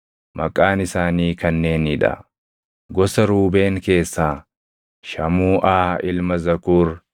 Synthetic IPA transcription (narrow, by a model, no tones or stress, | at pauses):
mʔɐkʼːaːnɪsaːniːkɐnːe̞ːnɪᶑɐ̰ | ɡɔsɐɾuːbe̞ːŋke̞ːsːaː | ʃɐmuːʔaːʔɪlmɐzɐkuːɾ